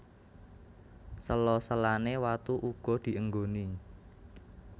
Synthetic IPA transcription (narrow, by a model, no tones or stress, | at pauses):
səlɔsəlanewat̪uʔuɡ̥ɔ̤d̪̥i̤ʔəŋɡoni